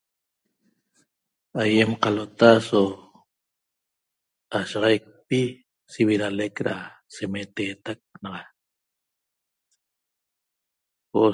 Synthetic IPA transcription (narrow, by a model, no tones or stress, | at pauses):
aje̞mqalot̪aso | aʃɑʁɑjk̚pi | siβiɾalekɾa̰ | semet̪eːt̪ak̚nɑʁɑ | o